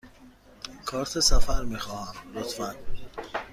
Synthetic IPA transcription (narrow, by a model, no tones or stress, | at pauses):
kʰɒːɾt̪ʰesæfæɾmiːxɒːhæmlot̪ʰfæn